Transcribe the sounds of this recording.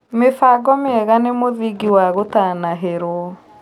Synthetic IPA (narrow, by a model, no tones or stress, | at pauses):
mefaɡɔmeɛɣanemoðiɡiwaɣotanaɦeɾwɔ